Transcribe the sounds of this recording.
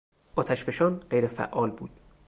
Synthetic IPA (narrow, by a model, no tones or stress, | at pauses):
ʔɒːt̪ʰæʃbeʃɒːnɢejɾefæ̰ʔɒːlbṵːd̪̥̚